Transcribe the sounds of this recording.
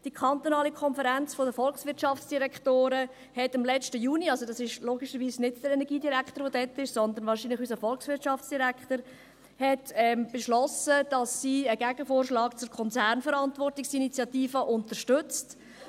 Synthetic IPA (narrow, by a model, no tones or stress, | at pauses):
d̥ikʰɑnt̪onɑːlikʰɔnfəɾænt͡sfodəfɔlksʋɪɾtʃɑft͡sd̥iɾɛkχtoːɾə | hɛtɑmlɛt͡ʃtəjuːniɑlsod̥ɑsɪʃloːɡiʃəɾʋiːsnɪdd̥əɾɛnɛɾɡiːdiɾæktəɾʋodɛtɪʃsɔnd̪ənʋɑːɾʃinlɪχysəfɔlksʋɪtt͡ʃɑft͡sd̥iɾækχtəɾ | hɛtɛmb̥eʃlɔsəd̥ɑsːiːəɡæɡ̥əfoːrʃlɑːkt͡sʊɾkʰɔnt͡sæɾnfəɾɑntvɔrtɪksinit͡sjɑtiːfəʔʊntəɾʃtʏt͡st